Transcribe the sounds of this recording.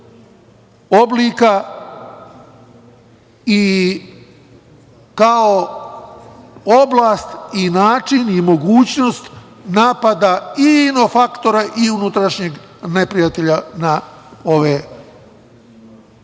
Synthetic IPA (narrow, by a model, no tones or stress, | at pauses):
obliːka | i | kao | oblaːst̪inaːt͡ʃinimo̞ɡuːt͡ɕnost̪ | naːpad̪aino̞fakt̪o̞ɾaʔiunut̪ɾaʃɲeɡ | ne̞pɾijat̪e̞ʎanao̞ʋe